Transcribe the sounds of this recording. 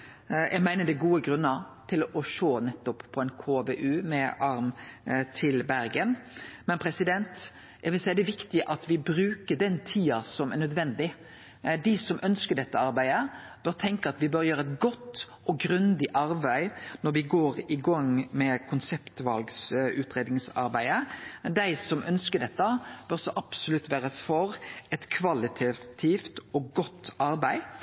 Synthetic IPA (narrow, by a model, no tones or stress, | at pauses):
jʔæɡmæɪnəɖ̪æɡuːəɡɾʉnːəɾt̪ʰɪlɔʂoːnɛt̪ːɔpːʰɔɛɪnkʰoːbeːʔʉːmɛʔɑɾmt̪ʰɪlbæɾɡənmɛnpʰɾɛsɪd̪ɛnt̪ | æʋɪlsæɪəd̪ɛʋɪkt̪ɪəʔɑt̪ʋɪbɾʉːkəɖ̪ɛnt̪ʰiːɑsɔmɛɾnœd̪ʋɛnd̪ɪ | d̪ɪsɔmʔœnskəɖ̪ɛt̪ːəɑɾbæɪd̪ə | b̥œɾt̪ʰɛŋkəɑt̪ʋɪbœɾjøːɾəɛt̪ɡɔt̪ː | ʔɔɡɾʉnd̪ɪʔɑɾbæɪnɔɾʋɪɡoːɾɪɡɑŋmɛkʰʊnsɛpt̪ʋɑlɡsʉːt̪ɾeːd̪nɪŋsɑ̰ɾbæɪəd̪æɪsɔmʔœnskəɖɛt̪ːəb̥œɾsɔʔɑpsʊlʉt̪ːʋæːɾəfɔɾɛt̪kʰʋɑlɪt̪ʰɛt̪ʰift̪ɔɡɔt̪ːɑɾbæɪ